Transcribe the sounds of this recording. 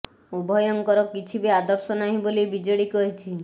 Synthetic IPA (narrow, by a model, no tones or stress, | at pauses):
ubʱɔjɔŋkɔɾɔkit͡ʃʰibead̪ɔɾsɔnaɦĩbolibid͡ʒɔɽikɔɦit͡ʃʰi